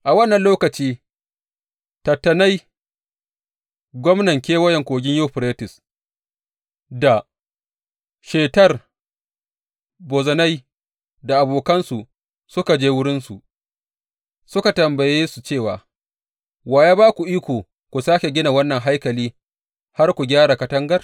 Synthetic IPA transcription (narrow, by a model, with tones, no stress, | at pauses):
ʔa˨wɐ˦nːɐ˨nloː˦kɐ˨t͡ʃiː˦ | tɐ˨tːɐ˨na˦j | ɡʷɔ˦mnɐ˨ŋkʲeː˦wɐ˦jɛ˨ŋkʷoː˨ɡʲɪ˦ɲjoː˦˨ɸɪ˨ɾeː˦tɪ˨s | da˨ | ʃeː˨tɐ˦r | boː˨zɐ˨na˦j | da˨ʔa˨boː˨kɐ˦nsu˨ | sʊ˦ka˨d͡ʒeː˦wʊ˦ɽɪ˦nsu˨ʔ | sʊ˦ka˨tɐ˨mbɐ˨jeː˦su˨t͡ʃeː˦˨wa̰ː˨ | waː˨ja˦baː˦kʷu˨ʔiː˦kʷoː˨ | kʷu˨saː˦kʲe˨ɡʲɪ˦na˨wɐ˦nːɐ˨ŋɦa˦jkɐ˨liː˦ | ha˦rkʷu˨ɡʲaː˦ɽa˨kɐ˦tɐ˦ŋɡɐ˦r